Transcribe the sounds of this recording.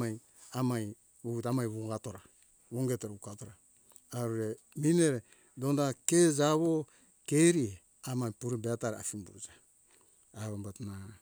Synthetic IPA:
aj | amaj | βuβutamajβuɡatoɾa | βoŋɡetoɾukatoɾaː | ɾuɾe | mineɾe | dondakezaβo | keɾie | amajpuɾibeataɾa̰fimbuɾud͡ʒaː | βombatna

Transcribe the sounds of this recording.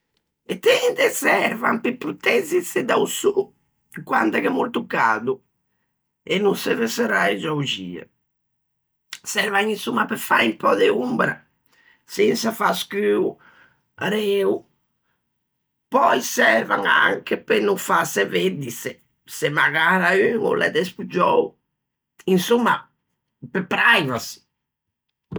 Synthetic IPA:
ɛt̪ːɛnd̪ɛsɛɾva̰mpipːɾut̪ɛzised̪ausu | kwand̪akɛmuɾt̪ukaːd̪u | ɛnːusɛvɛsɛɾajd͡ʒaud͡ʒiːa̰ | sɛɾvaŋinsumːapɛfaimpɔːd̪eumbɾa | sinsafaskyu | aɾeu | pɔjsɛɾva̰ŋa̰ŋkepenːufaseved̪ise | semaɣaɾayŋo̰lʔɛ̰d̪ɛspud͡ʒɔw | insumːa | pepːɾajvasi̥

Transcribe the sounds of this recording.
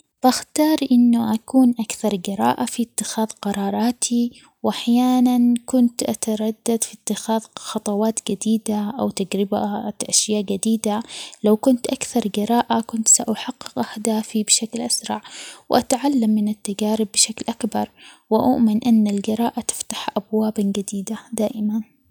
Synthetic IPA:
b̥axt̪ɑːɾˤʔɪnːʊʔakuːnʔakθɑɾˤɡɪɾˤɑ̰ːʔafit̪ːɪxaːðˤqɑɾˤɑːɾˤɑːt̪ʰi | wʔaħjaːnankʊnt̪ʔat̪ɑɾˤɑd̪ːad̪fit̪ːɪxaːðˤxɑt̪ˤɑwɑːt̪ɡɪd̪iːd̪aʔawt̪ad͡ʒɾɪbaʔaʃjaːʔɡad̪iːd̪alawkʊnt̪ʔakθɑɾˤɡɪɾˤɑːʔakʊnt̪saʔaħɑqːɪqʔaħd̪aːfibɪʃaklʔasɾˤɑʕwʔat̪ʕalːamːɪnɪt̪ːad͡ʒaːɾɪbːɪʃaklʔakbɑɾˤwɪʔʊ̰ʔmɪnʔɪnːalɡɪɾˤɑːʔat̪ɪ̥ft̪ḁħʔabwaːbanɡad̪iːd̪ad̪aːʔɪman

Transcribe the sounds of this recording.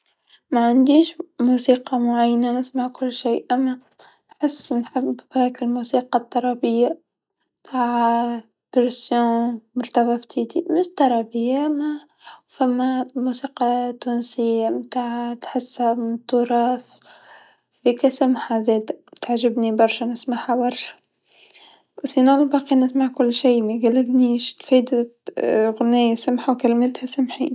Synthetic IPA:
maʕand̪iːʃmuːsiːqɑmʊʕajːnanɪsmaʕkʊlːʃiːʔamːa | nħɪsːnħɪbːhaːkɪlmuːsiːqɑt̪ˤːɑɾˤɑbɪjːa | mt̪ʰaːʕ | b̥ɪɾsjõːmʊɾt̪abaft̪ʰiːd̪imɪʃt̪ːɑɾˤɑbɪjːama | famːamusiːqɑt̪unsɪjːamt̪aːʕt̪ħasːamt̪ːuɾˤɑːf | fikæsamħazeːd̪at̪aʕʒɪbnibɑɾˤʃanɪsmaħabɑɾˤʃḁ | basinalbɑqinɪsmaʕkʊlːʃiːmeɡælːɪlniʃlfæd̪a | ɣʊnæːjasamħawkalmɪt̪hæsamħḭːn

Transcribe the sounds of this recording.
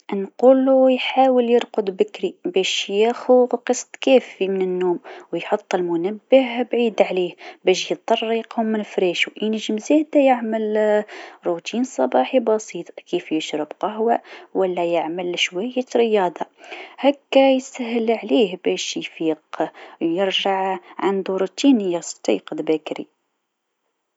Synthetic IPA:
nqulujħawəljəɾqʊd̪ˤbəkɾibæʃjæxuqəsˤt̪kæfimənənːuːmwjħot̪ˤːəlmʊnæbːəhbʕid̪ʕlihbæʃjət̪ˤːɑrˤːiqhʊmːənfɾiʃuʔinʒəmzæd̪æjəʕməl | ɾut̪insˤɑbɑħibɑsit̪ˤkifjəʃɾəbqɑhwæwəlːæjəʕməlʃwæjːəɾəjɑd̪ˤɑhækːæjsæhəlʕlihbæʃjfiqjəɾʒaʕʕand̪uɾut̪inəjːast̪ˤḭqd̪bækɾḭ

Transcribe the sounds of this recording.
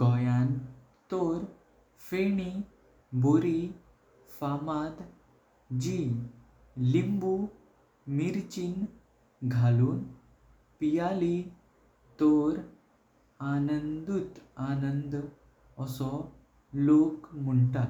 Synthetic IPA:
ɡɔjan | t̪oɾ | feɳi | boɾi | famad̪ | d͡ʑi | limbu | miɾt͡ɕin | ɡʱaluːn | pijali | t̪ɔɾ | anənd̪ut̪anənd̪ | əsɔ | lokmuɳʈa

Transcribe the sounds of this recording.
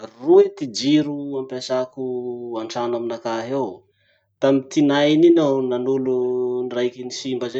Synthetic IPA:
ruet̪id͡ʒiɾuampasakuaɳʈ͡ʂanaminakaɦew | t̪amit̪inajninawnanulunrajkinisimbəze

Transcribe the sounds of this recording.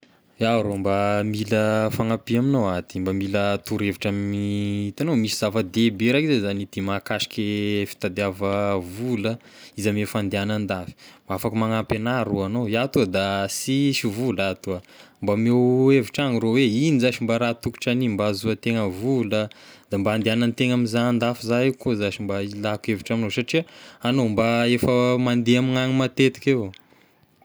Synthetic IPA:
aɾombamiləfaŋapiaminowat̪imbamilət̪uɾeviʈ͡ʂamit̪anomisizavəd̪ebeɾakizezanit̪imakaʃi̥kʲefi̥t̪ad̪eavəvulə | izamefand̪eanand̪avi̥mbaafakəmaŋapenaɾuanojat̪uad̪asiʃivulat̪ua | mbameweviʈ͡ʂaŋiɾoweinizaʃimbaɾat̪uku̥ʈ͡ʂanimbazuət̪eŋəvuləd̪ambaand̪eananit̪eŋamizaand̪afizaekozaʃimbailakueviʈ͡ʂaminosaʈ͡ʂiəanombaefəmand̪eamiŋaŋimat̪et̪i̥ke

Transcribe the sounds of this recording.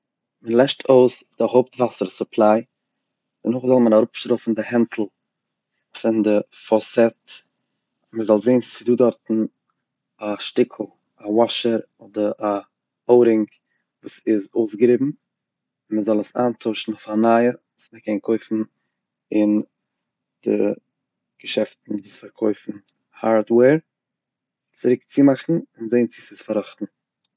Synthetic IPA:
mənlˠɛʃtʰoʊsd̥ɪhoʊptvasəɾsʊpʰlˠaɪ | d̥ənʊχzɔlˠmənaɾʊpʃɾɔfn̩dɪhɛntʰl̩ˠ | fɪndɪfɔsɛt | məzɔlˠzeɪnssɪduːdɔɾtn̩ | aʃtɪkʰl̩ˠ | awɔʃəɾ | ɔdəɾa | oʊɾɪŋ | vuːsɪzoʊsɡəɾɪbm̩ | məzɔlˠəsaːntʰoʊʃn̩oʊfanaːjəvuːsməkʰɛnkʰoɪfn̩ | ɪn | d̥ɪ̰ | ɡ̥əʃɛftn̩vuːsfaɾkʰoɪfn̩ | haɾdwɛːɾ | t͡sɪɾɪkt͡sɪmaχn̩ɪnzeɪnt͡sɪsɪsfaɾɔχtn̩

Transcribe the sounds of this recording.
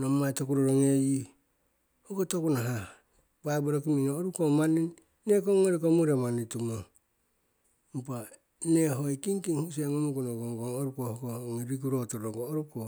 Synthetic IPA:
nomatokuɾoɾoŋeji | hokotokunaɦa | baboɾok̬iminoːɾukomaninː | ekoŋːoɾik̬omuɾemanitumo | mpa | neɦojkiŋkiŋhuseŋomukunoɡoŋɡoŋoɾukohokoŋiɾik̬uɾotoɾoŋɡoːɾuko

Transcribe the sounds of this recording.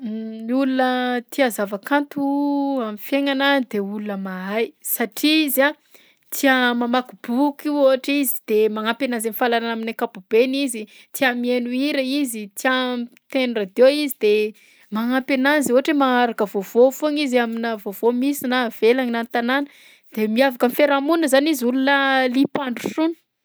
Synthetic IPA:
ulunət̪iazavakant̪uamifjeŋanad̪eulunəmaajsaʈ͡ʂiiza | t͡s̪iamamakub̥ukioaʈ͡ʂizi̥d̪̥emaŋampenazenifalaɾanaminakabubenizi | t͡s̪iamienuiɾəizit͡siat̪enurad̪eizid̪e | maŋampenazoaʈ͡ʂemaaɾakəvovofoŋizaminavovomisinav̥elaŋinant̪ananə | d̪̥emiavakamifeɾamunəzaniziulunəlipaɳɖ͡ʐusunə̥

